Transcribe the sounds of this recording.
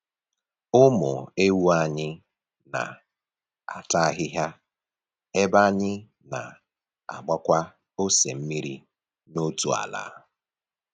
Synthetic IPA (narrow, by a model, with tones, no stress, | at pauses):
ʊ˦mʊ̰˨e˦wu˦a˦ɲɪ˦ | na̰˨ | a̰˨ta˦a˦ɣɪ˦ɦja˦ | e˦ba˦ɲɪ˦ | na̰˨ | a̰˨ɡ͡ba˦kʷa˦ | o˦se˨m̩˦mi˦ɾi˦ | no˦tu˨a̰˨la̰ː˨˦